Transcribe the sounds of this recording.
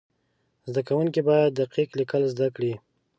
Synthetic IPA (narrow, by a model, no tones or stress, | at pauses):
zd̪akawuŋkibɑjad̪̚ːaqiqlikəlzd̪akɽi